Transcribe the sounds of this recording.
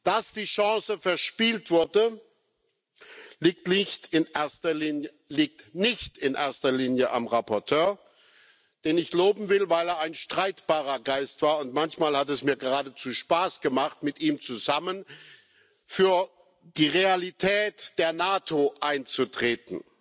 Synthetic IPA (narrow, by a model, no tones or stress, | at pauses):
d̥asd̥iːʃɑ̃ːsəfɛɐʃpiːltv̥ʊɐdə | liːk̚tnɪçtɪneɐstɐlinə | liːk̚tnɪçtɪnʔḛːɐstɐliːnjəʔa̰mʁapʰɔɐtʰøːɐ | d̥eːnɪçloːbm̩vɪlvaɪleːɐaɪnʃtʁ̥aɪtb̥aːʁɐɡaɪstv̥aːɐʊntmançmaːlhatɛsmiːɐɡəʁaːdət͡suːʃpaːsɡ̥əmaχtmɪtʔiːmt͡suzamən | fyːɐ | d̥iːʁealitʰɛːtd̥eːɐnaːtʰoʔaɪnt͡sutʁ̥eːtn̩